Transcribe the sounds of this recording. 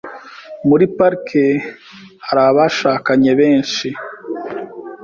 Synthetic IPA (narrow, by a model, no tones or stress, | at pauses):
muɾipaɾkʰe | haɾaβaʃaːkaɲe̞βeːnʃi